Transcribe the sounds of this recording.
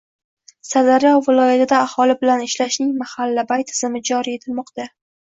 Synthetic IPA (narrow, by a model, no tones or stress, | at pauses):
sad̪aɾjɒwːɪlˠɒjat̪ʰɪd̪aːhɒlɪbɪlanɪʃlaʃnɪŋmahalːabajt̪ʰːɪz̥ɪmɪd͡ʒɒɾie̞t̪ʰɪlmɒqt̪a